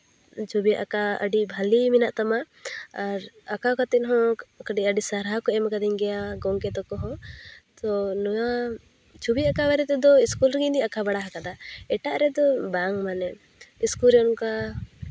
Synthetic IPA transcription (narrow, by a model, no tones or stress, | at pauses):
t͡ʃʰubijaʔakaə̰ɖibʱaliminaʔt̪amaː | ɾ | akakat̪ɛnɦɔ̃kəɖiəɖisaɾɦakɔɛmakad̪iŋɡɛjaɡɔŋkɛt̪ɔkɔɦɔ̃t̪ɔnɔwa | t͡ʃʰubijaakawɛɾɛt̪ɛd̪ɔiskulɾɡind̪iakabaɽaɦakad̪aɛʈaʔɾɛd̪ɔbaŋmanɛ | iskulɾɛɔnuka